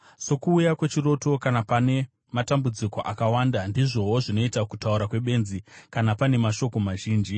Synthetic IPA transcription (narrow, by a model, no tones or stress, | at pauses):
so̞kuːjakwe̞t͡ʃiro̞to̞kanapane̞ | matambud͡ziko̞ʔakawandandiʐo̞ɦoʐino̞itakutauɾakwe̞ɓe̞nzikanapane̞maʃo̞ko̞maʒiːnd͡ʒi